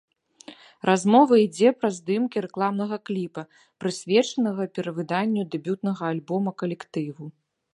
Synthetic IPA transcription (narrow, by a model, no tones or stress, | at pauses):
rʔazmɔvɐid͡zʲɛpɾɐzd̪ɨmkʲiɾɛklˠamnɐɣɐklʲipɐ | pɾɨsʲvʲɛt͡ʂɐnɐɣɐpʲɛɾɐvɨd̪anʲːud̪ɛbʲut̪nɐɣɐalʲbɔmɐkɐlʲɛkt̪ɨvu